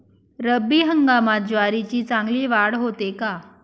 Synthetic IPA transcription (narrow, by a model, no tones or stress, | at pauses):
ɾəbːiːɦəŋɡamat̪̚d͡ʑʋaɾit͡ɕiːt͡sãŋɡliːʋaɽɦot̪eka